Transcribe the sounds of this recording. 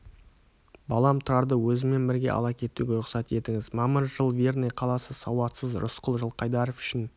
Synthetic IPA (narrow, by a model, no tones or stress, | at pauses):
bɑlˠɑmt̪ʰɑɾd̪əwɵzɪme̞nbɪɾɡʲe̞̰ʔɑ̰lˠɑkʲʰe̞t̪ːuɡʲeɾʊqsɑt̪e̞t̪ɪŋɪzmɑməɾʒəlˠvernejqʰɑlˠɑsəsɑwɑt̪səzɾʊ̰sqəlˠʒəlˠqʰɑjd̪ɑɾofʏ̥ʃɪn